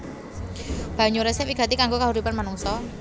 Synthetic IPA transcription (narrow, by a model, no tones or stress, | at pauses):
b̥a̤ɲuɾɛsɛwiɡ̥a̤t̪ikaŋɡokaɦuɾipanmanuŋsɔ